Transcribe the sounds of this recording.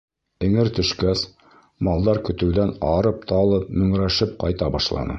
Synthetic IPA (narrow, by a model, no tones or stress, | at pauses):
ɘ̆ŋɘɾt̪ɵ̆ʃkæs | mɑlˠd̪ɑɾkɵ̆t̪ɘ̆wd̪ænɑɾɤp̚t̪ʰɑlˠɤp̚mɵ̆ŋɾæʃɘp̚qɑjt̪ɑbɑʃlˠɑ̰nɤ̰